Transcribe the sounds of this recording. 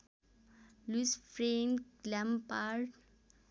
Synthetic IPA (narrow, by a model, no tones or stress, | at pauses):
lusfɾẽnlãmpaɖ